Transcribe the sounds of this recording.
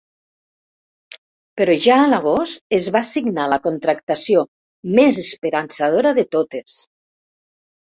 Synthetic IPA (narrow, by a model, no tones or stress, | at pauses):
peɾɔʒaəlaɣ̞ost̪ezβasiɡnaləkont̪ɾakt̪asio | mezespeɾansað̞oɾaðet̪ot̪es